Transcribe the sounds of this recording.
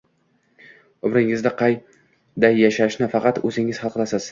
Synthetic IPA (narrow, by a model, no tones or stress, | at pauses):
ʊmɾɪŋɪzd̪aqʰɑj | d̪ajːaʃaʃnɪfɑqɑt̪ɵzɪŋɪz̥χɑlˠqlˠasɪz̥